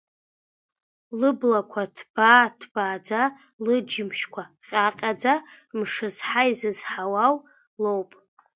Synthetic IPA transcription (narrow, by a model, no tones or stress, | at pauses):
lɨblakʷʰatʰb̥aːtʰb̥aːd͡za | lɨd͡ʒimʃkʷʰaqʲʼaqʲʼad͡za | mʂɨzħaizɨzħawaw | lowpʼ